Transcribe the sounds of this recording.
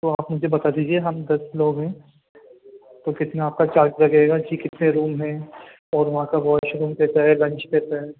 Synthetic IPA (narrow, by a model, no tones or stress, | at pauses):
t̪oaːpmʊd͡ʒʱebɐt̪ad̪iːd͡ʒieɦɐmd̪ɐsloːɡɦɛ̃ː | t̪okɪt̪naaːp̚kat͡ʃaːɾt͡ʃlɐɡeːɡad͡ʒiːkɪt̪neɾuːmɦɛ̃ | ɔːɾʋɐɦãkaʋɔːʃɾuːmd̪eːt̪aɦɛlɐ̃nt͡ʃd̪eːt̪aɦɛː